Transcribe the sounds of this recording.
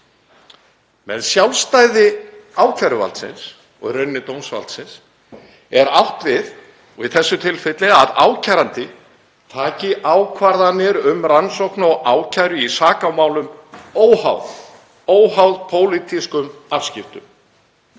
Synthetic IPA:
mɛ̰ðsjawlst̪aːjðɪaːwcʰajɾʏva̰lt̪sɪ̰ns | ɔ̰ɣrœɥnːɪt̪oːwnsva̰lt̪sɪns | ɛɾawht̪vɪð | vɪ̰ðθɛsːʏt̪ʰɪlfɪt̪lɪaðaːwcʰajɾant̪ɪ | t̪ʰaːcɪʔaːwkʰvaɾðanːɪɾʏmransowknɔɣaːwcʰajɾʏisaːkawmaːwlʏmoːwha̰wð | oːwhawðpʰoːwlit̪iskʏmafscɪft̪ʏm

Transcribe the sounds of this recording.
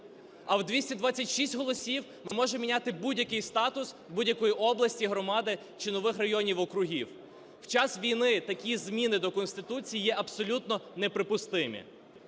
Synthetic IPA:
ɐwd̪ʋʲisʲtʲɛd̪ʋɑt͡sʲɐtʲʃisʲtʲɦɔlˠɔsʲiw | mɪmɔʒemmʲinʲat̪ɪbudʲjɐkɪjst̪ɑt̪ʊs | budʲjɐkɔjiʔɔblˠɐsʲtʲiɦɾɔmɑd̪ɪ | t͡ʃɪnɔʋɪxrɐjɔnʲiwɔkɾʊɦʲiw | wt͡ʃɑsʋʲijnɪt̪ɐkʲizmʲinɪd̪ɔkɔnsʲt̪ɪt̪ut͡sʲijijɛʔɐbsɔlʲut̪nɔnepɾɪpʊst̪ɪmʲḭ

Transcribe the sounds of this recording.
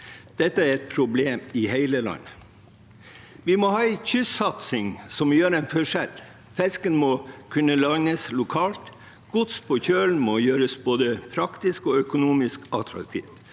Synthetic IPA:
d̪̥ɛt̪ːəæɾɛt̪̚pʰɾʊbleːmɪheɪləlɑ̰nːə | ʋɪmɔhɑːɛɪçʏsɑt̪sɪŋsɔmjøːɾɛɪnfɔʂɛl | fɛskənmɔkʰʉnːəlɑnnəslʊkʰɑːlt̪ | ɡ̥ʊt̪spʰɔçøːln̩mɔjøːɾəsboːd̪əpʰɾɑkt̪ɪskɔœkʊnuːmɪskɑt̪ɾɑ̰kt̪ʰḭːft̪

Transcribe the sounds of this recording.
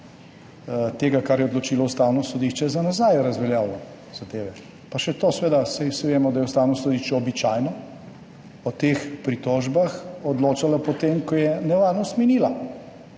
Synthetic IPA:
t̪eːɡakaɾjɛɔd̪lɔt͡ʃiːlɔust̪aːwnɔsɔd̪iʃt͡ʃɛzanazaːjɾɐzʋɛljaːwlɔ | z̥ad̪eːʋɛ | paʃɛt̪oːsʋeːd̪asajsiʋeːmɔd̪ajɛust̪aːwnɔsɔd̪iʃt͡ʃɛɔbit͡ʃaːjnɔ | ɔt̪eːxpɾit̪ɔʒbaxɔd̪loːt͡ʃalapɔt̪emkɔjɛnɛʋaɾnɔst̪miniːla

